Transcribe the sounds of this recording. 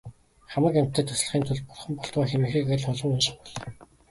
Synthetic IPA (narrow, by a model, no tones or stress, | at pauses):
χamə̆kæm̥ʲt̪ːə̆ːt̪ʰɵs̆ɮ̆χiːnt̪ʰɵɮpɔrχɞ̆mpɔɬt̪aːxemĭːxiːkeɮɔɮɞ̆ŋɵnʃɪ̆χpɔɮ